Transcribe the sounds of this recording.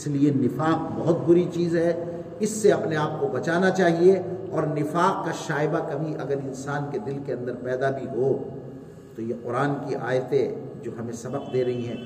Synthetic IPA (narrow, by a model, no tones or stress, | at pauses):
ɪslienɪfaːqbɐɦʊt̪̚bʊɾit͡ʃiːzɦɛ | ɪsːeɐpneaːp̚kobɐt͡ʃaːnat͡ʃaːɦieɔːɾnɪfaːqkaʃaːɪbakɐbʱiʔɐ̰ɡəɾɪ̃nsaːnked̪ɪlkeɐ̃nd̪əɾpɛːd̪abʱiɦoː | t̪ojeqʊɾaːnkiʔa̰ːjt̪ẽd͡ʒoːɦɐmẽsɐbəqd̪eːɾɐɦiɦɛ̃ː